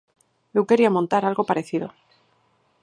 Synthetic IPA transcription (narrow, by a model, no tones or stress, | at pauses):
luke̞ɾiamõnt̪aɾalɣo̞paɾe̞θiðo̞̰